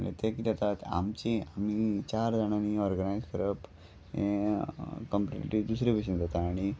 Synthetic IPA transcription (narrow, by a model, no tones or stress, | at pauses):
lḛt̪ekid̪at̪at̪a̰mt͡ɕiamit͡ɕaɾd͡zaɽ̃aniɔɾɡənajskəɾəp | ḛ̃ | kəmpʈḭʈiʈid̪usɾebiɕ̬ənd͡zat̪aːɽ̃i